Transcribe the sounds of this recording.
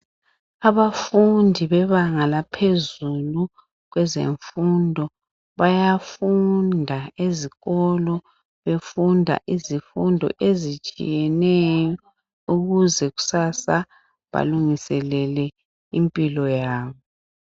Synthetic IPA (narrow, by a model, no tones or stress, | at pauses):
aβafundʱiβɛβaŋalapʰezulu | ɣwɛzḛɱfundʱɔ | βajafundʱaeziɣɔlɔ | βefundʱa̰ʔizifundʱɔ̰ʔezit͡ʃʼḭjɛnɛjɔ | uɣuzɛɣu̥sasa | βa̰luŋisɛlɛlɛ | impʼilɔjaːβɔ